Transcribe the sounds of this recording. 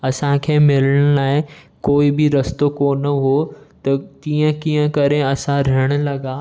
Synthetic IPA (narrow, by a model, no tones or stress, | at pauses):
ɐsãkʰeːmɪləɽ̃ʊlaːɪ | koːibɪɾɐst̪okoːnɐɦot̪ɐt̪iːə̃kiːə̃kɐɾeɐsãɾɪəɽ̃̆lɐɡaː